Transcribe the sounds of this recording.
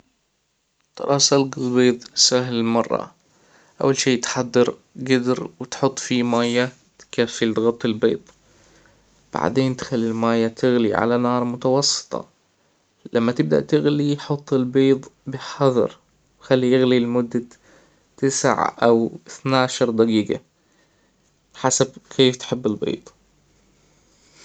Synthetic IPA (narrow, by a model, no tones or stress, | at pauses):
t̪ɑ̰ɾˤʔɑːsalɡɪlbiːðˤsaɦlmɑrˤːɑ̰ | ʔa̰wːalʃeːt̪ħad̪ːɑɾ | ɡad̪ɾwɪt̪ħʊt̪ˤːfimaːjːa | t̪kafːɪlɣɑt̪ˤːɪlbḭːðˤ | b̥a̰ʕd̪eːnt̪xalːilmaːjat̪ʰɪɣliʕa̰lanɑːɾˤmʊt̪awɑsˤːɨ̥t̪ˤɑ̰ | lʔamːat̪ɪb̚d̪a̰ʔt̪ɪɣliħʊt̪ˤːɪlbiːðˤbɪħɑðˤɑ̰ɾ | wxalːijɪɣlilmʊd̪ːa | t̪ɪsʕʔawθnaːʃɑɾˤd̪aɡiːɡa̰ | ħasabkʰeːft̪ħɪbːɪlbḭːðˤ